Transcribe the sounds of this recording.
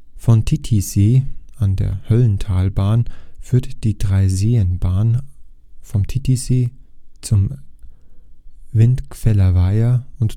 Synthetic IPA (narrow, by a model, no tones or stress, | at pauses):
fɔntʰitʰizeːʔandḛːɐhœlntʰaːlbaːnfyːɐtd̥iːdʁaɪzeːənbaːn | fɔmtʰitizeːt͡sʊm | vɪntkfɛlɐvaɪɐʊnt